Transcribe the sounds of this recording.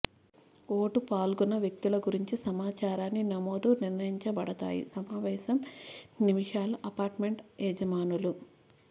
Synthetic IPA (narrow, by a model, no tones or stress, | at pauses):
o̞ːʈupaːlɡunːɐʋjɐk̚t̪ulɐɡuɾiɲt͡ʃisɐmaːt͡ʃaːɾaːnːinɐmoːd̪uniɾnɐjiɲt͡ʃɐbɐɽɐt̪a̰ːjḭsɐmaːʋɛːsɐmnimiʂaːlɐʔɐpaːɾʈme̞ɳʈɛːd͡ʒɐmaːnulu